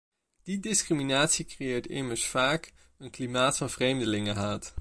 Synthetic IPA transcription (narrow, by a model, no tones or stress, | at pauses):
d̥idɪskriminaːtsikrejɪːɹtɪməɹsfaːk | ənklimaːtfɑnv̥rejmdəlɪŋəɦaːt